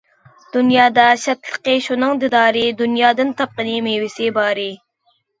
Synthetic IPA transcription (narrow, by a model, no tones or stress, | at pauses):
d̪̥ʊnjɑːd̪aɕɐt̪lqeɕunəŋd̪ɪd̪ɑːɾeːd̪unjɑːd̪ənt̪ɐp̚qənimewiseːbɑːɾe